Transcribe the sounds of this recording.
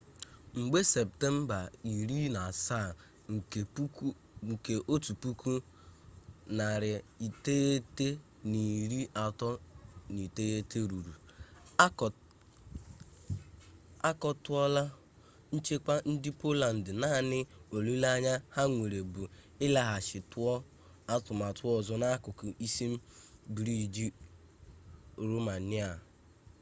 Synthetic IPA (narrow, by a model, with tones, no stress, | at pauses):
ŋ͡m̩˨ɡ͡be˦sɛ˨p̚te˦m̩˦ba˨i˨ɾi˦na˨sa˦˨ | ŋ̩˨˦ | ŋ̩˨ke˨ʔo˦tu˨pu˦ku˦ | na˨ɾɪ˨i˨te˦e˦te˦ | ni˨ɾi˦ʔa˨tɔ˦ni˨te˦je˦te˦ɾu˨ɾu˨˦˨ | a˦kɔ˨tʊ˦ɔ˦la˦ | n̩˦t͡ʃe˦k͡pa˦n̩˦dɪ˦po˦la˨n̩˨dɪ˨na˦˨nɪ˦o˨lu˦la˦ɲa˦ha˦ŋʷe˨ɾe˨bu˨ | ɪ˦la˨ɦa˨ʃɪ˨tʊ˦ɔ˦ | a˦tʊ˨m˨a˨tʊ˦ɔ˨zɔ˦na˦kʊ˨kʊ˨i˦si˦m̩˦bi˨ɾi˦˨d͡ʒi˦ | ɾo˦ma˨ni˦a˨